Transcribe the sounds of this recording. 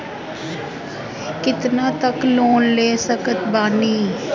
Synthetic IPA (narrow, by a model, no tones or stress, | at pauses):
kɪt̪nãːt̪əkloːnleːsəkət̪baːniː